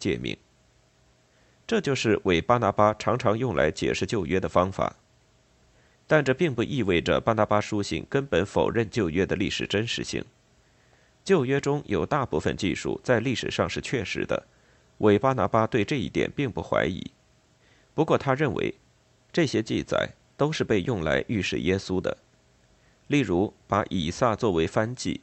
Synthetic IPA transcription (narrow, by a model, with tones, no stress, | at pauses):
t͡ɕjɛ̰˥˩mḭ˥˩ŋ | ʈ͡ʂɤ˥˧t͡ɕjo˥˧ʊʂɻ̩˥˩wʔe˨˩ɪpa˥na˧˥pa˥ʈ͡ʂʰɑ˧˥ŋʈ͡ʂʰɑ˧˥ŋjʊ˥˩ŋlʔa̰˧˥ɪt͡ɕjɛ̰˨˩ʂɻ̩˥˧t͡ɕjo˥˩ʊɥɛ˥d̪ə˨fɑ˥ŋfa̰˨˩˦ | t̪a˥˧nʈ͡ʂɤ˥˩pi˥˧ŋpu˥˧ʔi˥˧we˥˩ɪʈ͡ʂə̰˩pa˥na˧˥pa˥ʂu˥ɕḭ˥˩ŋkə˥npə˧˥nfo̰˨˩ʊɻə˥˧nt͡ɕjo˥˧ʊɥɛ˥d̪ə˨li˥˩ʂɻ̩˨˩ʈ͡ʂə˥nʂɻ̩˧˥ɕḭ˥˩ŋ | t͡ɕjo˥˧ʊɥɛ˥ʈ͡ʂʊ˥ŋjʔo˨˩ʊt̪a˥˧pu˥˩fə̰˨nt͡ɕḭ˥˧ʂṵ˥˩t͡sa˥˧ɪli˥˩ʂɻ̩̰˨˩ʂɑ˥˧ŋʂɻ̩˥˧t͡ɕʰɥɛ˥˩ʂɻ̩̰˧˥d̪ə̰˧ | wʔe˧˥ɪpa˥na˧˥pa˥t̪we˥˧ɪʈ͡ʂɤ˥˧ḭ˥˩t̪jɛ̰˨˩npi˥˧ŋpu˥˩xwa̰˧˥ɪḭ˧˩˦ | pu˧˥kwɔ˥˩t̪ʰa˥ɻə˥˩nwʔḛ˧˥ɪ | ʈ͡ʂɤ˥˩ɕjɛ˥t͡ɕi˥˩t͡sa̰˨˩˦ɪ | t̪o˥ʊʂɻ̩˥˧pe˥˧ɪjʊ˥˩ŋla˧˥ɪʔy˥˧ʂɻ̩̰˨˩jɛ˥su˥d̪ə̰˨ | li˥˩ɻu˧˥pa˧˥ʔi˨˩sa˥˧t͡swɔ˥˩we˧˥ɪfa˥nt͡ɕḭ˥˩